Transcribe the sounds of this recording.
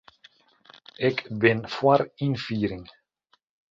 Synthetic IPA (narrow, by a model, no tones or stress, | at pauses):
ɪkbɪnfwaɾinfiːɾɪŋ